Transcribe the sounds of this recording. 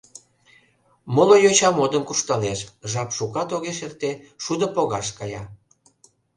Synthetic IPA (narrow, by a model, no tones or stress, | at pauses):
molojot͡ɕɑmod̪əmkuʃt̪əneʃʒɑpʃukɑt̪oɣeʃert̪eʃud̪ə̆poɣɑʃkɑjɑ